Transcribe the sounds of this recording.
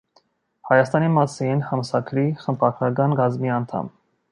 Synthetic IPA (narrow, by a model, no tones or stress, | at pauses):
hɑjɑst̪ɑnimɑsinhɑmsɑkʰɾiχəmpʰɑɾkʰɾɑkɑnɡɑzmiɑnt̪ʰɑ̰m